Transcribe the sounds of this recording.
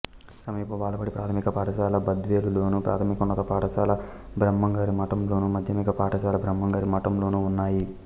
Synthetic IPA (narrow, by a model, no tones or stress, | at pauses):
sɐmiːpɐʋaːlɐpɐɽipɾaːt̪ʰɐmikɐpaːʈɐʃaːlɐbɐd̪ʋeːlulo̞ːnupɾʔa̰ːt̪ʰɐmikunːɐt̪ɐpaːʈɐʃaːlɐ | bɾɐmːɐŋɡaːɾimɐʈɐmlo̞ːnumɐd̪ʱjɐmikɐpaːʈʰɐʃaːlɐbɾɐmːɐŋɡaːɾimɐʈɐmlo̞ːnuunːaːji